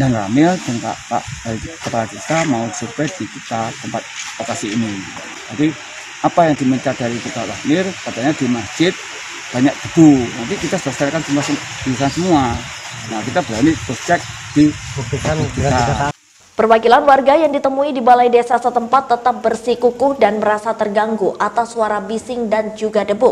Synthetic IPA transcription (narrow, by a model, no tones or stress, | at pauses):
danra̰mɪlt̪əŋka̰ʔpa̰ʔdaɾikəpalakit̪amausurpɛdikit̪at̪əmpat̪̚lokasiːni | d͡ʒadi | apajaŋdiməɲt͡ʃadaɾikit̪ala̰hnɪrkat̪aɲadimasd͡ʒɪt̪̚ | b̥aɲak̚ɡ̥ədunant̪ikit̪asəlaskaɾakant͡ʃumasə | b̥iisansəmua | nakit̪abəɾanipost͡ʃɛk̚ | d̥ibt̪ikauit̪a | pərwakilanwarɡajaŋdit̪əmuidibalajdesasət̪əmpat̪ːət̪ap̚bərsikukʊhdanbəɾasat̪ərɡaŋɡuʔat̪asuwaɾabisɪŋdand͡ʒuɡadəbʊ